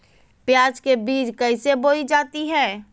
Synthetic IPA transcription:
pjaːd͡ʒkebiːt͡ʃkɐɪseboːid͡ʒaːt̪iɦɛː

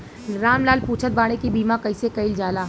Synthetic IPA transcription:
ɾaːmlaːlpuːt͡ʃʰət̪̚baːɽ̃ekibiːmãkɐɪsekɐɪld͡ʒaːlaː

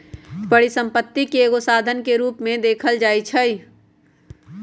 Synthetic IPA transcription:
pəɽisə̃mpət̪ːikeeːɡosaːd̪ʱənkeɾuːpmẽd̪eːkʰəld͡ʒaːit͡ʃʰəi

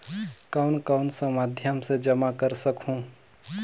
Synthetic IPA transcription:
kaʊnkaʊnsə̃mad̪ʱjəmsẽd͡ʒəmakəɾsəkɦũ

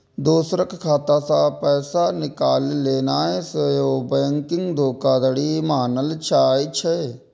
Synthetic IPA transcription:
d̪oːsɾəkkʰaːt̪aːsapɛːsanɪkaːlleːnaːesəjoːbəːŋkɪŋɡd̪ʱoːkaːd̪əɽimaːnəlt͡ʃʰaːit͡ʃʰe

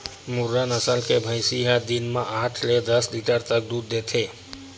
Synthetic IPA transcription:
muɾːənəsəlkebʱəɪsiɦad̪inmaʔaʈʰled̪əsliʈəɾt̪ək̚d̪ud̪ːet̪ʰe

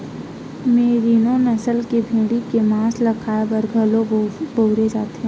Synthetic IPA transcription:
meːɾiːnõnɐsəlkebʱẽːɽikemãːslɐkʰaːbəɾɡʱəloboʊɾed͡ʒaːt̪eɛ̃

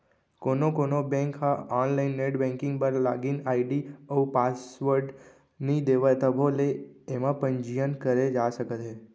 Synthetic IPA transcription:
konokonobɛ̃ŋkɦaɔnlainːeʈbɛ̃ŋkɪ̃ŋɡpəɾlaɡinaiɖiəupasʋəɾɖ | nid̪eʋat̪əbʱoleemãpəɲd͡ʒijənkəɾed͡ʒaʃəkət̪ʰe

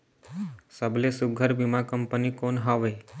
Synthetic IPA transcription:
səblesuɡʱəɾbimãkəmpənikonɦaʋe

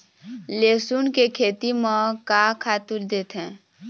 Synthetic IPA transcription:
leːsunkekʰeːt̪imãkakʰaːt̪ɪld̪eːt̪ɦɛ̃ː

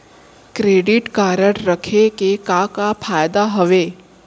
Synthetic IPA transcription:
kɾeːɖɪʈkaːɾəɽɾəkʰekekakapʰaːjd̪aɦəʋeː

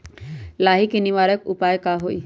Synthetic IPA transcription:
laːɦikinɪʋaːɾəkʊpaːjkaɦoːḭ

